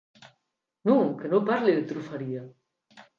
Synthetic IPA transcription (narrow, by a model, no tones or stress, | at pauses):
nũŋkenopaɾleðet̪ɾufaɾia